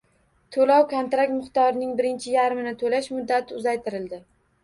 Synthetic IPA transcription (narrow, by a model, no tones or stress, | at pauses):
t̪ʰolɒwkʰont̪ɾak̚t̪mɪχt̪ɒɾɪnɪŋbɪɾɪnt͡ʃʰɪjaɾmɪnɪt̪ʰolaʃmʊd̪ːat̪ʰɪʊzajt̪ʰɪɾɪld̪ɪ